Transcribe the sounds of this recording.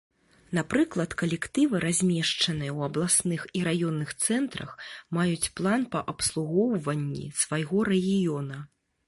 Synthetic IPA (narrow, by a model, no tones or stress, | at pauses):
napɾɨklˠɐt̪kɐlʲɛkt̪ɨvɨɾʔazʲmʲɛʂt͡ʂɐnɨjɛwɐblˠasnɨxiɾajɔnːɨxt̪sɛnt̪ɾɐ̰xmajut͡sʲplˠanpɐʔɐpslˠuɣɔwvɐnʲːḭsvajɣɔɾɛɣʲijɔnɐ